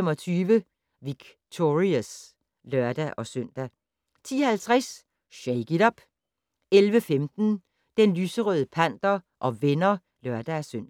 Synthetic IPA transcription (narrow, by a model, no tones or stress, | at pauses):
emɒ̽t͡sʰyːʋə | ʋiɡ̥ | t͡sʰoʁiæs | lɶɐd̥æʔɒ̽søn̰d̥æ | t͡sʰḭːɐhælt͡sʰʁas | ɕeɪɡ̥idɒb̥ | elʋəfemd̥n̩ | d̥enlyːsəʁœðˠəpʰæn̰d̥ɐʔɒ̽ʋenɐ | lɶɐd̥ææsøn̰